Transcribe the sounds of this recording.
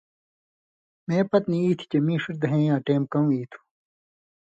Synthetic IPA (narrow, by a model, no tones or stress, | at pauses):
mẽːpɐt̪niiːt̪ʰi̥t͡ɕemĩːʂiɾd̪ɐɦẽːjãːʈeːm̚kɐũiːt̪ʰu̥